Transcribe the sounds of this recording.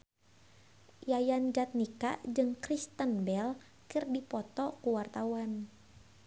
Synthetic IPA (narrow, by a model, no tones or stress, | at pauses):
jajand͡ʒat̪̚nika̰d͡ʒɨŋkɾist̪ənbɛl | kɨrdipɔt̪ɔkuwart̪awan